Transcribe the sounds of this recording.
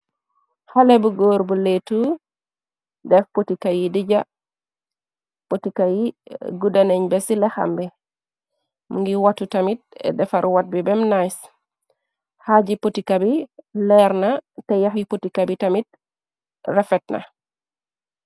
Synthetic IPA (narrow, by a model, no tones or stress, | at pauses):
halebuɡoːɾbuletu | dɛfpotikajidiɟa | potikajiɡudaneɲbɛsilɛxa̰mbɛ | muŋɡiwatutamit̚ɛ̰dɛfaɾwat̚bibɛmnajs | haɟipotikabilɛɾnatɛjaxipotikabitamit̚ | rɛfɛt̚na̰